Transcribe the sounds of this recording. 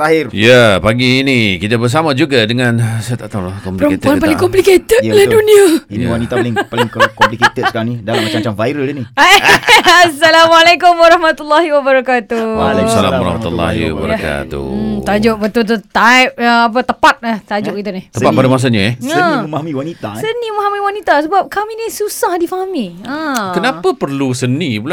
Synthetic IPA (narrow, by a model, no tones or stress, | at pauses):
aɦɪrjapaɡiːnikit̪abərs̬amad͡ʒuɡadəŋãnsat̪at̪awlakɔmpliɾɔkep̪t̪npalɪkɔmpliket̪ət̪laduniainiwanit̪alɪŋpalŋkɔmplikt̪ət̪ə̥kaɾaŋnidalamːaamat͡ʃamvajɾəlinia | asːalamalekʊmwaɾɑhmat̪ulːaɦiwabəɾakat̪ualksala̰mwaɾɔ̰hmat̪ulːa̰hḭwa̰bə̰ɾaka̰t̪ṵt̪ad͡ʒʊʔ̚bət̪ult̪̬ut̪ajp̚əap̬ət̪əpat̪̚aht̪ad͡ʒʊʔ̚kit̪unɪht̪əpat̪̚padamas̬aɲəɛaəmmaɦamiwanit̪asənimaɦamiwanit̪asəbap̚kaminisusahdifaɦamiəkənapəpərlusənipula